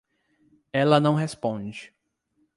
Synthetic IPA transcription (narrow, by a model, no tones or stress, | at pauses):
ɛlɐnɐ̃w̃ɦespõd͡ʒɪ